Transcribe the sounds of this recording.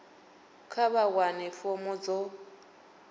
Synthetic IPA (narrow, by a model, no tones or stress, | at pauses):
kʰaβaɣwanɛfɔmʊd͡zɔ